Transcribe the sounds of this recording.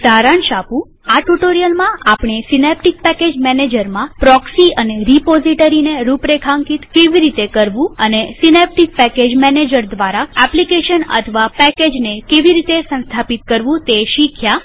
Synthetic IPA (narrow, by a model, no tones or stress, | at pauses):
d̪aɾəɳʃapũ | aʈuʈoɾijəlmãʔapɳ̃esinep̚ʈik̚pɛked͡ʒmɛned͡ʒəɾmãpɾɔksiəneɾipoziʈəɾineɾupɾekʰãŋkit̪keʋiɾit̪ekəɾʋũənesinep̚ʈik̚pɛked͡ʒmɛned͡ʒəɾd̪ʋaɾaɛplikeʃənə̰t̪ʰəʋapɛked͡ʒnekeʋiɾit̪esə̃nst̪ʰapit̪̚kəɾʋũt̪eʃikʰja